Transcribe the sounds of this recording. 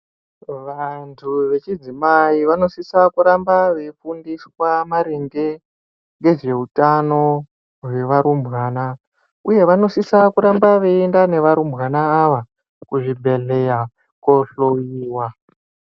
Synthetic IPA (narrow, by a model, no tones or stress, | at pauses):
ʋantʰuʋe̞t͡ʃid͡zimaiʋano̞sisakuɾambaʋe̞fundiswamaɾeŋɡe̞ | ŋɡe̞ʐe̞utano̞ | we̞ʋaɾumbɣaːna | uje̞ʋano̞sisakuɾambaʋeendane̞ʋaɾumbwanaːʋa | kuʐibʱe̞ɮe̞ja | koɬojiːwa